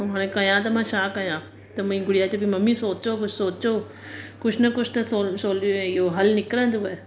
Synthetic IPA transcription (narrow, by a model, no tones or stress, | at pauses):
ɦaɽ̃ẽkɐjãt̪ɐmãʃaːkɐjãː | t̪ɐmɐĩɡʊɽijaːt͡ʃebʱimɐmːisoːt͡ʃoːkʊt͡ʃʰsoːt͡ʃoː | kʊt͡ʃʰnɐkʊt͡ʃʰt̪ɐsosoːloẽjoːɦɐlnɪkɾə̃nt̪uʋe